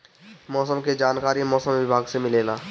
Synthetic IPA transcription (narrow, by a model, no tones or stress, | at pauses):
mɔːsəmked͡ʒaːnkaːɾimɔːsəmʋɪbʱaːɡsemɪleːlaː